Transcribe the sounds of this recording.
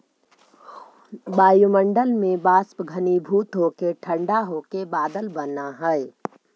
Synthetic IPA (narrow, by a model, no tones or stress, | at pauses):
baːjuməɳɖəlmẽbaːspɡʱənibʱuːt̪ɦokeʈʰə̃ɳɖaɦokebaːd̪əlbənaɦɛe